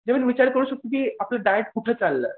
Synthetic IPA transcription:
d͡ʑeʋənʋit͡ɕaɾkəɾunɕək̚t̪it̪iaplaɖajeʈkuʈʰet͡salːə̰

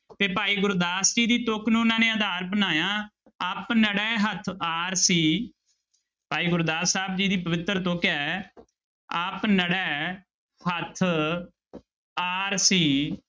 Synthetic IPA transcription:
t̪eːpaːiːɡʊɾd̪aːsd͡ʒiːd̪iːt̪ʊknũːʊnãːneːəd̪aːɾbənaːjãː | əpnəɽɛːɦət̪ʰaːɾsiː | paːiːɡʊɾd̪aːssaːbd͡ʒiːd̪iːpəʋɪt̪ːɾt̪okɛː | əpnəɽɛː | ɦət̪ʰ | aːɾsiː

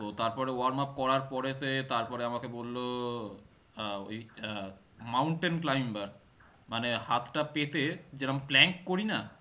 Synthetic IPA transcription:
t̪ot̪aɾpɔɾeoaɾmap̚kɔɾaɾpɔɾet̪et̪aɾpɔɾeamakebolːo | oj | mawɳʈenklajmbaɾ | manehat̪ʰʈapet̪ed͡ʑeɾamplɛŋkkoɾina

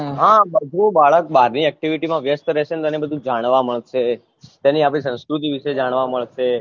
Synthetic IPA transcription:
ɦãbəd̪ʱubaɭək̚baɾniɛk̚ʈiʋiʈimãʋjəst̪ɾɛʃenet̪oɛnebəd̪ʱũd͡ʒaɽ̃ʋaməɭʃe | t̪aniapɽ̃isə̃w̃skɾut̪̬iʋiʃed͡ʒaɽ̃ʋaməɭʃe

